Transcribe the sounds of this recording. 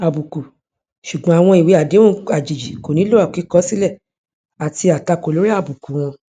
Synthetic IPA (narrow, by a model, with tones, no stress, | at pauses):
a˨bu˨ku˨ | ʃu˨ɡ͡bɔ̃˨˦a˨w̃ɔ̃˧i˨we˨˦a˨de˨˦ũ˦a˨d͡ʒi˨d͡ʒi˨ko˨nĩ˨˦lo˦a˦˨ki˨˦kɔ˦si˦lɛ˦˨ | a˨ti˧a˨ta˧ko˨lo˦ɾi˦a˦˨bu˨ku˨w̃ɔ̃˧